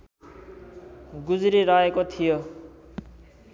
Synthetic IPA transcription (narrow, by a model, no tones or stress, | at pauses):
ɡud͡zɾiɾaekot̪ʰijo